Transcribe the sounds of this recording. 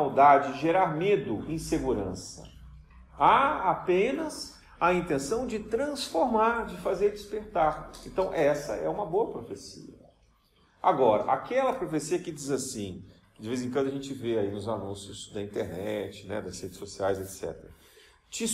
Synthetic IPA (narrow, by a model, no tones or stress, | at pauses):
awd̪ad͡ʒɪd͡ʒɪʒeɾaɾmed̪ʊẽseɡuɾɐ̃sɐ̰ | aapẽnɐs | ɐĩnt̪ẽsɐ̃w̃d͡ʒɪt̪ɾɐ̃sfoɾmaɾd͡ʒɪfazeɾd͡ʒɪspeɾt̪aɾḛ̃nt̪ɐ̃w̃ʔɛsɐɛũmɐboɐpɾofesḭɐɐ | aɡɔɾɐ̰ʔakɛlɐpɾofesiɐkɪd͡ʒizasĩkɪd͡ʒɪvezẽkwɐ̃d̪ʊɐʒẽt͡ʃɪveainʊzanũsjʊz̥d̪ɐĩnt̪eɾnɛt͡ʃɪ̥nɛ̰d̪ɐshed͡ʒɪ̥sːosiajzet̪sɛ̰t̪eɾɐ | t͡ʃi